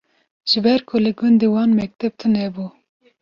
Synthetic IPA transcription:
ʒ̥ɨbɛɾkʰolɨɡʊnd̪ewɑːnmɛk̚t̪ʰɛb̚t̪ʰɨnɛbu

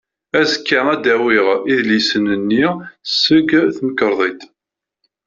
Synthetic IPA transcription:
æzəkːaæd̪æwiʁiðlisənənːisːəɡθməkːəɾˤðˤit̪

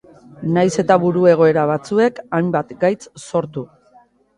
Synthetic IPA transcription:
najse̞t̪aβuɾue̞ɣ̞o̞e̞ɾaβ̞at͡sue̞kajmbat̪ɡajt͡sso̞ɾt̪u

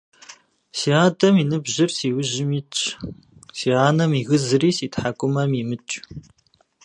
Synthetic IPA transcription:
siːaːdɐminɨbʑɪrsiːwʊʑɪmit͡ʃʼ | siːaːnɐmiɣɨzɨriːsiːtħakʷʼʊmɐmimɨt͡ʃʼ

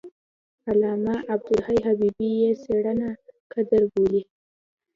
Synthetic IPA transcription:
alɑmaʔab̚d̪ʊlhajɦabibijeseɽənakʰad̪əɾboli

